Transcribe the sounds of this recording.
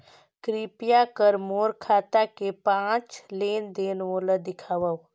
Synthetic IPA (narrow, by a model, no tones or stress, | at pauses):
kɾiːpijakəɾmoːɾkʰaːt̪akepãːt͡ʃleːnd̪eːnʋoːləd̪ɪkʰaːʋəw